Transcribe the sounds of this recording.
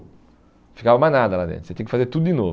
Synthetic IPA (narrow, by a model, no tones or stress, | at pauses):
fikavɐmanad̪ɐlad̪ḛ̃t̪set̪ẽkɪfazeɾt̪ud̪ʊd̪inov